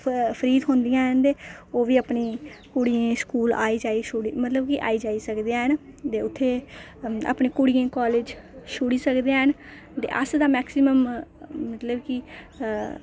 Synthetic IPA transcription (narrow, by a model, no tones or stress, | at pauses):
pʰəɾiːd̪ɦõːnd̪ɪjãːɦənd̪eːoːʋiːəpniːkʊɽiẽːskuːla̰ːiːd͡ʒaːiːʃʊɽiːmət̪ləbkiʔa̰ːiːd͡ʒaːiːsəkd̪eãːɦənt̪eːʊt̪ʰːeː | a̰ːpneːkʊɽijẽːkaːleːd͡ʒʃʊɽiːsəkd̪ejãːɦən | t̪ḛːʔə̰sd̪aːmɛːksɪməmmət̪ləbki